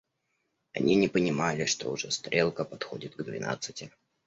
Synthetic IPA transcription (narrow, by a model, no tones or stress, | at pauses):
ɐ̰nʲʔinʲɪpənʲɪmalʲɪʂt̪o̞̰ʊʐɛst̪ɾʲelˠkəpɐt̪xo̞̰dʲɪt̪̚ɡd̪vʲɪ̰nʔa̰t̪sɨtʲɪ